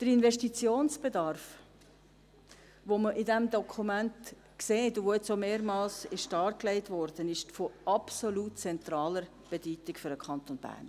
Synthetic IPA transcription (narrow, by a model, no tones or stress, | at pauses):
d̥əɾinvɛʃtit͡sjoːnsb̥edɑrf | ʋoməʔɪdɛmd̪ɔkʰumænt | kseːtʊʋoɛt͡someːɾmɑːlsɪʃtɑːɾklɛɪtvɔɾd̥ənɪʃfoʔɑpsolutt͡sɛnt̪ɾɑːləɾ | b̥edyːtɪkfʏɾəkʰɑnt̪onb̥æ̰ːrn